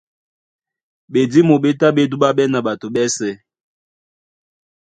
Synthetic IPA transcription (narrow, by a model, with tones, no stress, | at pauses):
ɓe˨di˦mo˨ɓe˦ta˦ɓe˦du˦ɓa˦ɓɛ˦na˨ɓa˨to˨ɓɛ˦sɛ˨